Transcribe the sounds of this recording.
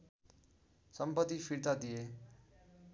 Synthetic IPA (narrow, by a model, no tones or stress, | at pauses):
səmpət̪ːifʰiɾt̪ad̪ije